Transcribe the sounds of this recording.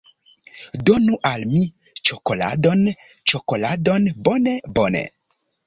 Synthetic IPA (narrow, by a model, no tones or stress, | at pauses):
donuʔalmi | t͡ʃokola̰don | t͡ʃokoladonbonebonḛ